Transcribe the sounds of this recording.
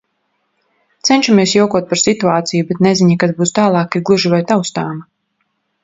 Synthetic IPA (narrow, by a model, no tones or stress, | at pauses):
t̪sɛnʲʃameːsjɔwkuɔt̪̚paɾsit̪uaːt̪sijubɛt̪neziɲakad̪buːst̪aːlˠɑːkiɾɡlˠuʒivajt̪awst̪aːma